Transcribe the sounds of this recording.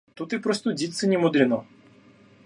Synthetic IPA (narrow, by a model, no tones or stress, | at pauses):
t̪ut̪ɨpɾost̪odʲit̪sɨnʲɪmʊd̪ɾʲɪnɔ